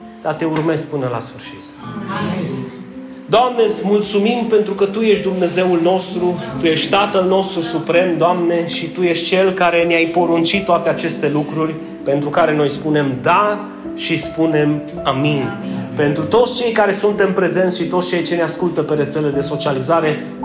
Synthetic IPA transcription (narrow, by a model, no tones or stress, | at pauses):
d̪̥at̪e̞urme̞skpɨnəla̰sfɨrʃi̥t̪ | d̪oamneɨt̪smult̪sumimpe̞nt̪ɾukət̪uje̞ʃtd̪umne̞ze̞ulno̞st̪ɾut̪uje̞ʃt̪ʲt̪at̪əlno̞st̪ɾusupɾe̞md̪oamne̞ʃit̪uje̞ʃt̪̚ʲt͡ʃe̞lkaɾe̞neajpo̞ɾunt͡ʃit̪ːoat̪e̞at͡ʃe̞st̪e̞lukɾurʲ | pe̞nt̪ɾukaɾe̞no̞jspune̞md̪a | ʃispune̞m | aminpe̞nt̪ɾut̪o̞t̪sʲt͡ʃe̞jkaɾe̞sunt̪ɨnpɾe̞ze̞nt̪ʃit̪ot̪st͡ʃe̞jt͡ʃe̞neaskult̪əpe̞ɾe̞t̪se̞led̪e̞so̞t͡ʃializaɾe̞